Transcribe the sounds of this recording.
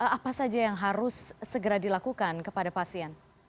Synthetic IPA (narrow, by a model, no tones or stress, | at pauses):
əapasad͡ʒajaŋɦaɾʊsːəɡəɾadilakukankəpadapasiɛn